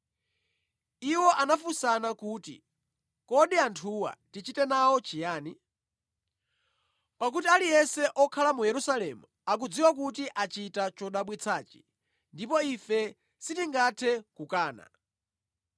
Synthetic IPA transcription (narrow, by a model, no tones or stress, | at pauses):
iwɔʔanafusanakuːtḭ | kɔɗiantʰuwa̰tit͡ʃitɛnawɔt͡ʃijaːni | pak̬utialijɛsɛʔɔkʰalamujɛɾusalɛmu | ak̬ud͡ziwak̬utiʔat͡ʃitat͡ʃɔɗaɓwit͡sʰaːt͡ʃi̥ | ndipɔifɛ | sitiŋɡatʰɛkukaːna̰